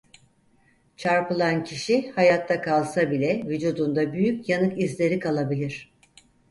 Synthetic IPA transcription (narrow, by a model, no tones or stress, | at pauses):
t͡ʃʰaɾpɯlˠancʰiʃihajat̪ʰːakʰalˠsabilʲɛvyd͡ʒuːd̪und̪abyjycjanɯkizlʲe̞ɾikʰalˠabilʲiɾ̝̥